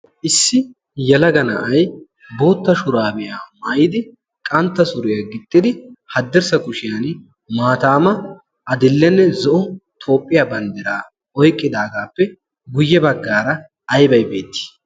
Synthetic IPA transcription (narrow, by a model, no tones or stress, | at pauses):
ʔɪsːɪ | jɛlɐɡɐnɐ̰ʔɐj | bo̞ːt̪ːɐʃʊɾaːbɛjaːmaːjɪd̪ɪ | kʼɐnt̪ːɐsʊɾɪjɐɡɪt̪ʼːɪd̪ɪhɐd̪ːɛɾsɐkʊʃɪjan | maːt̪aːmɐ | ɐd̪ɪlːɛnːɛzɔʔʊt̪ʰo̞ːpʼːɪjabɐnd̪ɛɾaː | ɔjkʼːɪd̪aːɡaːpːɛ | ɡʊjːɛbɐɡːaːɾɐ | ɐjbɐjbe̞ːt̪ːɪ̥